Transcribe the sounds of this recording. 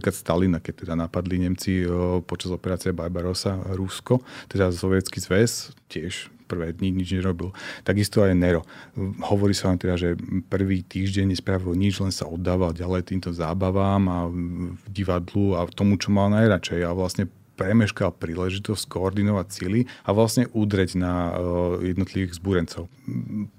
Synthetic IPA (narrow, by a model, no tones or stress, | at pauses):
iklat̪st̪alinakɛc̚t̪ɛd̪anapad̪liɲɛmt͡sipɔt͡ʃazɔpɛɾaːt͡siɛbaɾbaɾɔsaɾuskɔt̪ɛd̪asɔʋjɛtt͡skizʋɛscɪɛʃpr̩ʋɛːd̪ɲiɲid͡ʒɲɛɾɔbilt̪aɡist̪ɔajnɛɾɔhɔʋɔɾiːsaʋamt̪ɛd̪aʒɛpr̩ʋiːt̪iːʒɟɛɲːɛspɾaʋilɲid͡ʒlɛnsa̰ɔd̪ːaːʋalɟalɛjt̪iːmt̪ɔzaːbaʋamavɟiʋad̪luat̪ɔmut͡ʃɔmalnajɾat͡ʃɛjaʋlasɲɛ | pɾɛmɛʃkalpɾiːlɛʒit̪ɔsckɔːɾd̪inɔʋacsiliaʋlasɲɛʔud̪ɾɛɟnajɛd̪nɔt̪liʋiɣzbuɾɛnt͡sɔʊ